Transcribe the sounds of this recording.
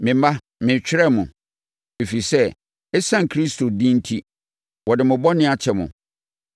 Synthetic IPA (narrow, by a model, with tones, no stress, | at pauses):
mɪ̃˨m˦a˦ | mɪ̃˨t͡ɕᶣɪ˦ɾɛ˦mʊ̃˨ | e˨fi˨sɛ˦ | ɛ˦sã˦˨ŋ˨kʰɾi˦stʰo˨dĩ˦n̩˦tʰi˦ | wɔ˨dɪ˨mʊ̃˨bɔ˦nɪ̃˦a˨t͡ɕʰɛ˨mʊ̰̃˨